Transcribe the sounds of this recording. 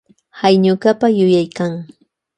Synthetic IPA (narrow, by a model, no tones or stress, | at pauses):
hajɲʊkapajʊjajkaŋ